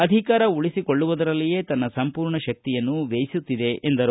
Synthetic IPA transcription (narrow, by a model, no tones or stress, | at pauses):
ɐd̪ʱikaːɾɐuɭisiko̞ɭːuʋud̪ɐɾɐlːije̞ːt̪ɐnːɐsɐmpuːɾɳɐʃɐk̚t̪ijɐnːuʋeːjisut̪ːid̪e̞ʔend̪ɐɾu